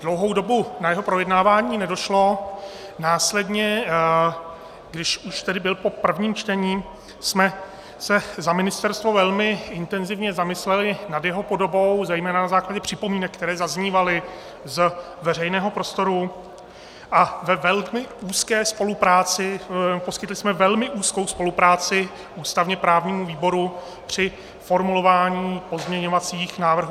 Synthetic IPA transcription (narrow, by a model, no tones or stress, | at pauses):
d̥lowɦowdo̞bunajɛɦo̞pɾo̞jɛdnaːvaːɲiːnɛdo̞ʃlo̞ | naːslɛdɲɛ | ɡdɪʃuʃt̪ɛdɪbɪlpo̞pr̩vɲiːmt͡ʃt̪ɛɲiː | smɛ | sɛzamɪnɪst̪ɛɾst̪vo̞vɛlmɪɪnt̪ɛnzɪvɲɛzamɪslɛlɪnadjɛɦo̞po̞do̞bo̞wzɛjmɛːnanazaːklaɟɛpr̥ɪpo̞miːnɛk̚ːt̪ɛɾɛːzazɲiːvalɪ | z | vɛr̝ɛjnɛːɦo̞pɾo̞st̪o̞ɾu | ʔavɛvɛlmɪuːskɛːspo̞lupɾaːt͡sɪpo̞skɪt̪lɪsmɛvɛlmɪʔuːsko̞wspo̞lupɾaːt͡sɪ | ʔuːst̪avɲɛpɾaːvɲiːmuviːbo̞ɾu | pr̝̥ɪ | fo̞ɾmulo̞vaːɲiːpo̞zmɲɛɲo̞vat͡siːxnaːvr̩ɦuː